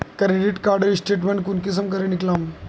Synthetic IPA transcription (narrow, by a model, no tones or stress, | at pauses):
kəɾeɖiʈkaɾɖəɾisʈeʈ̬mẽɳʈkunkisəmkəɾeniklãm